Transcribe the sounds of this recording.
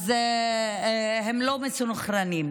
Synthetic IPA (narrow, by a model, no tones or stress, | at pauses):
ze | ɦemlomet͡sunχɾanim